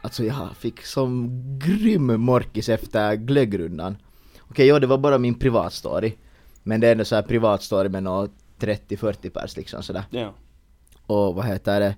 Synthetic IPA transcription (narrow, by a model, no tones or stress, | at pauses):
ʔalt̪sɔjɑːfɪkːsɔmɡɾʏmːɔɾkɪsɛft̪əɾɡlœɡɾɵnd̪a̰n | ɔkʰɛjːɑːd̪ɛvaɾbɑːɾamɪnpʰɾɪvɑ̰ːt̪st̪o̰ːɾɪ | mɛnd̪ɛɛnd̪ɔsɔæːɾpʰɾɪvɑːt̪st̪oːɾɪmɛnoː | t̪ʰɾɛt̪ːɪfœɾt̪ːɪpʰæ̰ɾʂlɪksɔ̰msɔd̪æ̰ːɾ | ɔvaɦeːt̪əɖɛ